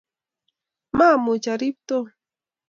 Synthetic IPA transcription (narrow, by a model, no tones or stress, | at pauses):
mamʊt͡ʃaɾɪp̚t̪o